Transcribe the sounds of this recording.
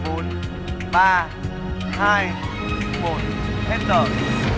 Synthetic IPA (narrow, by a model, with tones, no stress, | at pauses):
o˨˦n | ɓaː˧ | haː˧j | mo˨˩t̚hɛ˦˥t̚təː˨˩